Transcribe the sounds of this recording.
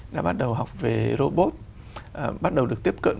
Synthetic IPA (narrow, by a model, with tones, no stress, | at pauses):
ɗa̰ː˧˥ɓa˦˥t̚ɗə˨˩wɦa˨˩wk͡p̚ve˨˩zo˧ɓo˦˥t̚ | ʔɓa˦˥t̚ɗə˨˩wɗɨ˨˩ək̚t̪i˦˥əp̚kə̰˧˨n